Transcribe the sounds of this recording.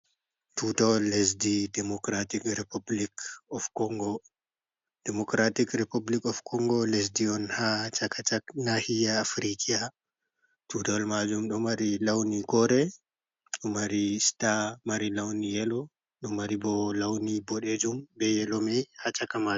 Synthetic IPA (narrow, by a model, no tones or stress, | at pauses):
tʰutawɔles̬didɛmɔkɾatikɾepublikɔfkɔŋɡɔ | d̥ɛmɔkɾatikɾepublikɔfkɔŋɡɔles̬diɔnhat͡ʃakat͡ʃaknahijaːfɾikia | tutawɔlmad͡ʒumɗɔmaɾilawnikɔɾɛ | ɗɔmaɾistamaɾilawnijɛlɔ | ɗɔmaɾibɔlawnibɔɗed͡ʒumbɛjɛlɔmɛhat͡ʃakama